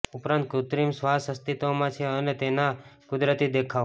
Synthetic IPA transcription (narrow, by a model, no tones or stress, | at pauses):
upɾãnt̪̚kut̪ɾimsʋasəst̪it̪omãt͡ʃʰeənet̪enakʊd̪ɾət̪id̪ekʰaʋ